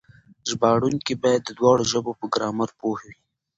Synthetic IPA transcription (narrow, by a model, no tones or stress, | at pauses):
zbɑɽunkebɑjad̪ːəd̪wɑːɽoʒəbopəɡɾɑːmaɾpohwi